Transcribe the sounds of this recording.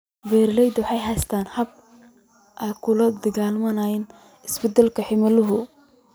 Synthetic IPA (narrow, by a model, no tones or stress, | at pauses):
vɛːɾlɛjd̪wħɑjhɛst̪ʰaːnhɐb̚ | ʔɐkʰʊlɐd̪ɐɣaːlmɐnajɪn | ɪsbɛd̪ɛlkʰɐħɪmɐlʊɦʊ